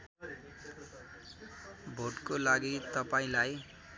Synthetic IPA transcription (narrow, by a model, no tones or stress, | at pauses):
bʱoʈkolaɡit̪ʌpaĩlaj